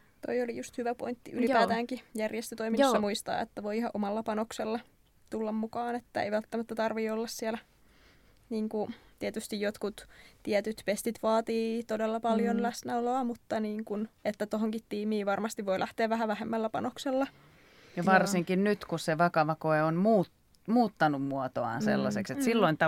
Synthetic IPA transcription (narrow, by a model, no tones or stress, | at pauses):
t̪o̰iolijust̪hyʋæpo̰int̪ːiʔylipæːt̪æːŋkijærjest̪øt̪oiminosːɑmuist̪ɑ̰ːḛt̪ːæʋoiihɑʔʔomɑlːɑpɑnokselːɑ | t̪ulːɑmmukɑːnet̪ːæḛjʋælt̪ːæmæt̪ːæt̪ɑrʋiːolːɑssiælæ | niːŋkut̪iæt̪yst̪ijjot̪kut̪t̪iɛt̪yt̪pest̪it̪ʋɑːt̪iːt̪odelːɑpɑljonlæsnæoloɑmut̪ːɑniːŋkunet̪ːæt̪oɦoŋkit̪tiːmiːʋɑrmɑst̪iʋʋoilʔæht̪eːʋʋæhæʋæhemːælːæpɑ̰nokselːɑ | jɑʋɑrsiŋkinnyt̪kusseʋɑkɑʋɑkoeonmuːt | muːt̪ːɑnummuot̪oɑ̰nsḛlːɑsekset̪silːoint̪ɑ